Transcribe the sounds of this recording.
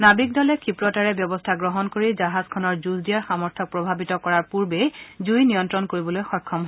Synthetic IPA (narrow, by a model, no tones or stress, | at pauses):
nabik̚dɔlɛkʰipɹɔtaɹɛbjɔbɔstʰaɡɹɔɦɔnkoɹizaɦazkʰɔnɔɹzuzdijaɹxamɔɹtʰɔk̚pɹɔbʱabitɔkɔɹaɹpuɹbɛzujnijɔntɹɔnkoɹibɔlojxɔɹkʰːɔmɦɔ